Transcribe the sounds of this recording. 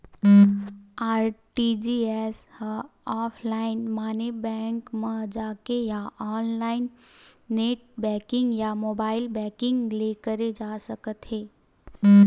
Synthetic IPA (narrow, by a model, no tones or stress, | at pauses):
aːɾʈid͡ʒiɛːs | ɔːpʰlaːɪnmaːnebɛ̃ːŋkmə̃d͡ʒaːkejaʔɔːnlaːɪnː | eːʈ̚bɛ̃ːkɪ̃ŋɡjamoːbaːɪlbɛːkɪ̃ŋɡlekəɾed͡ʒaːsəkət̪ɦeː